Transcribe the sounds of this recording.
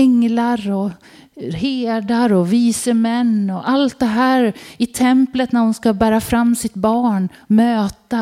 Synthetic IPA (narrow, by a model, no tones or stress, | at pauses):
ɛŋlaɾɔ | heːd̪aɾɔviːsəmɛnːɔʔalt̪̚d̪ɛɦæːɾɪt̪ʰɛmplət̪næɾhʊnskabæːɾafɾamːsɪt̪bɑːɳmøːt̪a